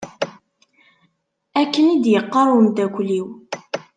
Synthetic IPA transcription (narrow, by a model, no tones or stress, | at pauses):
ækːənid̪jəqːɑɾˤwmt̪ækʷliw